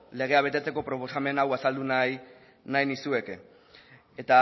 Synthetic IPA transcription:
le̞ɣ̞e̞aβ̞e̞t̪e̞t͡se̞ko̞pɾo̞po̞same̞nawasald̪unaj | najnisue̞ke | et̪a

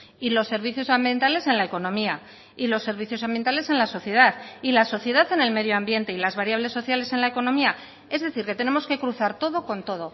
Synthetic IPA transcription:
ilo̞sːe̞ɾβ̞iθjo̞sambje̞nt̪ale̞se̞nlae̞ko̞nõ̞mia | ilo̞sːe̞ɾβ̞iθjo̞sambje̞nt̪ale̞se̞nlaso̞θje̞ð̞aθilaso̞θje̞ðaθe̞ne̞lme̞ðjoambje̞nt̪e̞ilazβaɾjaβ̞le̞sːo̞θjale̞se̞nlaeko̞no̞mia | e̞zðe̞θiɾke̞t̪e̞ne̞mo̞ske̞kɾuθaɾt̪o̞ðo̞ko̞nt̪o̞ð̞o̞

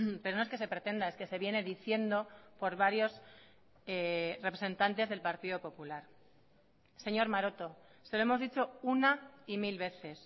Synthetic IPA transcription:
pe̞ɾono̞eske̞se̞pɾe̞t̪e̞nd̪ae̞ske̞se̞βje̞ne̞ðiθje̞nd̪o̞po̞ɾβaɾjo̞s | erepɾese̞nt̪ant̪e̞zðe̞lpaɾt̪iðo̞po̞pulaɾ | se̞ɲo̞ɾmaɾo̞t̪o̞seloe̞mo̞zðit͡ʃo̞unaimilβe̞θe̞s

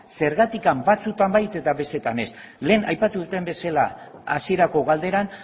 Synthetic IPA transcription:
se̞ɾɣat̪ikambat͡sut̪ambajt̪e̞t̪aβe̞st̪e̞t̪ane̞s | le̞ːna̰jpat̪uðut̪e̞mbe̞sala | a̰sieɾako̞ɣald̪e̞ɾan

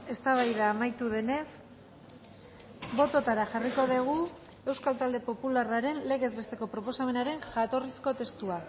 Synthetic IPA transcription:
e̞st̪aβajðaːmajt̪uðe̞ne̞s | bo̞t̪o̞t̪aɾaʝariko̞ðeɣ̞u | e̞wskalt̪ald̪e̞po̞pularaɾe̞nle̞ɣe̞zβe̞st̪e̞ko̞pɾo̞po̞same̞naɾe̞ŋʝat̪o̞risko̞t̪e̞st̪ua

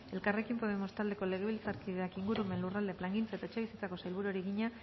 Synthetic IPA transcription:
e̞lkare̞kimpo̞βe̞mo̞st̪ald̪e̞ko̞le̞ɣ̞e̞βilt͡saɾkið̞eakiŋɡuɾume̞nlurald̪e̞plaŋɡint͡saet̪aet͡ʃe̞β̞isit͡sako̞sajlβuɾoɾiɣiɲa

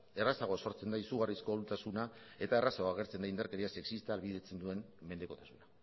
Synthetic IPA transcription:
e̞rasaɣ̞oso̞ɾt͡se̞nd̪aisuɣarisko̞lut̪asuna | e̞t̪aerasaaɣ̞e̞ɾt͡se̞nd̪aind̪aɾkeɾiase̞ksist̪aːlβið̞e̞t͡se̞nd̪ue̞mme̞nd̪e̞ko̞t̪asuna

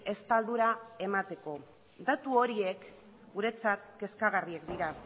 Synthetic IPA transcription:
e̞st̪ald̪uɾae̞mat̪e̞ko̞ | d̪at̪uo̞ɾiek | ɡuɾe̞t͡sat̪ke̞skaɣ̞ariekd̪iɾa

